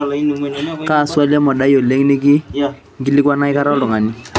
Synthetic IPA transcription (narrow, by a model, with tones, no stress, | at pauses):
kaː˦˨sʊ˦a˦lɛ˦mɔ˨da˦jo˨le˦ŋi˦ne˦k̬ɪ˦ | ŋ̩˨kɪ˦lɪ˦kwa˦na˦ɪ˦ka˦ɾa˦lʊ˨ŋa˨ni˨